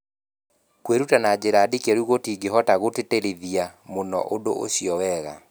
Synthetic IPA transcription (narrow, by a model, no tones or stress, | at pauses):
kweɾutanad͡ʑeɾadikeɾuɣotiːɡeɦɔtaɣoteteɾeðiamonɔ̰ʔodoʔo̰ɕiɔwɛɣa̰